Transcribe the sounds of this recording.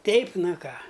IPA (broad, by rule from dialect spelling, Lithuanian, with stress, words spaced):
ˈtʲɛɪp ˈnɐ ˈkɑː